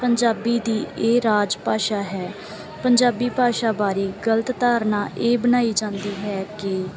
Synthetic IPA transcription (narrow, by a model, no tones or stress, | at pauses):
pəɲd͡ʒaːbiːd̪iːeːɾaːd͡ʒpaːʃaːɦɛː | pəɲd͡ʒaːbiːpaːʃaːbaːɾeːɡələt̪t̪aːɾnaːʔeːbənaːiːd͡ʒãːnd̪iːɦɛːkɪ